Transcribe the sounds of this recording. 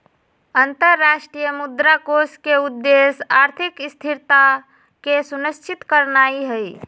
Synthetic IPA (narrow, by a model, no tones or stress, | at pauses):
ənt̪əɾːaʃʈɾijəmud̪ɾakoskeud̪ːesaɾt̪ʰikst̪ʰiɾt̪a | kesunəst͡ʃʰit̪kəɾnaiɦəi